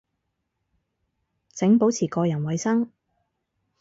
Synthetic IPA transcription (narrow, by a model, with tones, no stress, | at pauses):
t͡sɪ˨˥ŋpo˨˥wt͡sʰiː˨˩kɔː˧jɐ˨˩nwɐ˨˧jsɐ˥ŋ